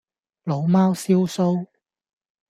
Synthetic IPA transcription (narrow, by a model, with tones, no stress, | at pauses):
lo˨˧wmaː˥wsiː˥wso˥w